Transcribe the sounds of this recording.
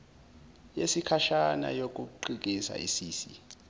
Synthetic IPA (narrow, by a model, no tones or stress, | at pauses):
jesikʰaʃana̰jok̬ʼuǃik̬ʼisa̰ʔḭsiːsi